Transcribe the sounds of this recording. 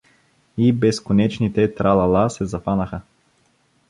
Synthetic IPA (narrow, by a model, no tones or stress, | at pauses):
ibɛskonɛt͡ʃnit̪ɛt̪ɾalˠɐlˠasɛzɐfanəxə